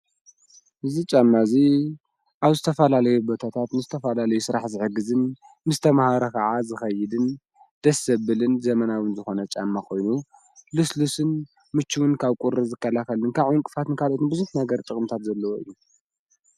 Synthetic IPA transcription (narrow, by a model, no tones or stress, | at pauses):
ʔɨzit͡ʃʼamːazi | ʔaβzɨt̪ʰɐfɐlalɐjubot̪ʰat̪ʰat̪nɨzɨt̪ʰɐfɐlalɐjusɨɾaħzɨħɨɡɨzɨnː | ɨzt̪ʰɐmahaɾɐkʰɐʕazɨxɐjɪd̪ɨn | d̪̥ɐsːɐβɨlɨnzɐmɐnawɨnzɨxo̞nɐt͡ʃʼamːakʰo̞jnu | luslusɨn | mɨt͡ʃːuwɨnkʰaβkʼuɾɨzɨkːɐlakɐlɨnkʰaʕɨnkʼɨfat̪ɨnkʰalo̞t̪ɨnbɨzunt̪naɡɐɾt̪ʼɨkʼɨmt̪ʰat̪zɐlːɐwoʔɨ̰jːu